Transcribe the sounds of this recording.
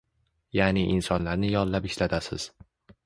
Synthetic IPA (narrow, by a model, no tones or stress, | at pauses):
janɪʔɪnsɒnlaɾnɪjɒnllapɪʃlat̪ʰasɪ̰z̥